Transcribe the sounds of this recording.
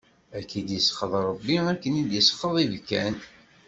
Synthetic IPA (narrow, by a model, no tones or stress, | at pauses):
ækːid̪jəsə̥χəðˤɾˤəbːiækːənid̪jəsə̥χːəðˤivkːæn